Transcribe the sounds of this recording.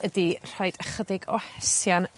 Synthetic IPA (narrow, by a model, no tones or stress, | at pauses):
ədir̥ajd̥əχədɪɡɔhɛsjan